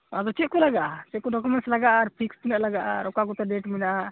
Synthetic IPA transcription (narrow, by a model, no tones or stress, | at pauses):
ad̪ɔt͡ʃɛt̪̚kɔlaɡaʔat͡ʃɛt̪̚kɔɖɔkɔmɛnʈslaɡaʔaɾpʰikst̪ɛnɛʔlaɡaʔaɾɔkakɔt̪ɛɖɛʈmɛnaʔa